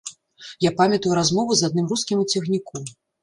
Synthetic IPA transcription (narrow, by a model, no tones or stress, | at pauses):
japamʲɐt̪ɐjuɾazmɔvuzad̪nɨmruskʲimt͡sʲiɣnʲikɔ